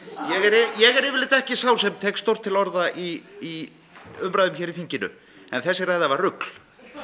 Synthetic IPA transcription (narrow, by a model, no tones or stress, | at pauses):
jɛɣɛɾjɛɣɛɾɪvɪlɪt̪ɛhcɪsaws̬ɛmt̪ʰɛːkst̪owr̥t̪ʰːɪlɔɾðaʔii | ʏmpɾajðʏmçɛːɾiθiɲcɪnʏ̰ | ɛnθɛsːɪɾrajðavarrʏkl̥